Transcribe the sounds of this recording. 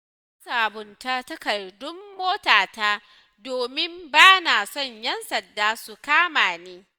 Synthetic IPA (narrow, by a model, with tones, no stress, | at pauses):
ɐ˦saː˨bʊ˨nta˦tɐ˦kɐ˨rdʊ˦mːoː˦taː˨taː˦ | doː˨mɪ˦mbaː˦na˨sɔ˦˨ɲjɐ˦nsɐ˨ndaː˦su˨kaː˦maː˨neː˦